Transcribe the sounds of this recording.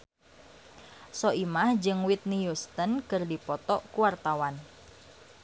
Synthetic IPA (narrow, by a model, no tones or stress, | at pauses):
sɔʔimahd͡ʒɨŋwit̪̚nijust̪ənkɨrdipɔt̪ɔʔkuwart̪awan